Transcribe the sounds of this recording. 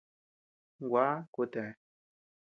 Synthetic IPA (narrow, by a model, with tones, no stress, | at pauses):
ŋ̩˨ɡwa˨˦ko˨tɛ˨